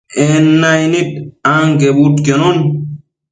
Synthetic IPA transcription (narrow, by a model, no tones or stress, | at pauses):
enːajnitãŋɡebutkenon